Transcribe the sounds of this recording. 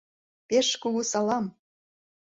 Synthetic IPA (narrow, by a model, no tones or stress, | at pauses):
peʃkuɣusɑlɑm